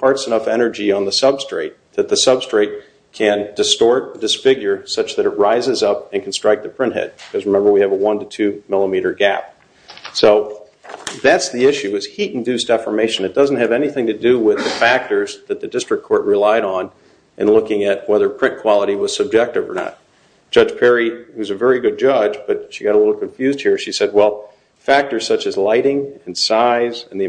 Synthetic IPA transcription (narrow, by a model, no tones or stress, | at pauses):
pʰɑɹtsɨnʌfɛnə˞d͡ʒiə̃nðəsʌb̥stɹ̥eɪt̪̚ðɨt̪̚ðɨsʌb̥stɹ̥eɪt̚ | kʰɨ̃ndɨstɔɹt̚d̥ɨsfɪɡjə˞sʌt͡ʃðɨɾɨt̚ɹaɪzɨzʌpɨ̃nkʰn̩stɹ̥aɪk̚ðɨpʰɹ̥ɪ̃nt̚ɦɛ̰d̚bɨkʰʌzɹɨmɛ̃mbə˞wiɨvəwʌ̃ntɨtʰʉmɪlˠəmiɾə˞ɡæ̰p̚ | soʊ | ðætsðiɪʃʉɨz̥hiɾn̩dʉsd̥ɛfə˞meɪʃɨ̃nɨt̚d̥ʌzn̩t̚ɦɨvɛniθɪ̃ŋtɨdɨwɪðɨfæk̚tə˞zðɨt̪̚ðɨdɪstɹ̥ɨkʰːɔɹʔ̚ɹɨlaɪɾn̩ | ʔɨ̰̃nlʊkɪ̃ŋɨt̚wɛðə˞pʰɹ̥ɪ̃nkʰw̥ɑlˠəɾiwʌz̥sɨb̚d͡ʒɛk̚tɨvə̰˞nə̰t̚ | d̥ʒ̥ʌd̥ʒ̥pʰɛɹiʌzɨvɛɹiɡʊd̚d͡ʒʌd͡ʒb̥ʌt̚ʃiɡɑɾəlɪɾ̩l̩ˠkʰɨ̃ɱfjʉzd̚hiɹʃisɛd̚wɛlˠ | fæk̚tə˞z̥sʌt͡ʃɨzlaɪɾɪ̃ŋɨ̃nsaɪzɨ̃nði